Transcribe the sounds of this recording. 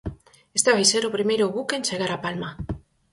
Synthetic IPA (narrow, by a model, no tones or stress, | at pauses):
est̪aβajseɾopɾimejɾoβukent͡ʃeɣaɾapalma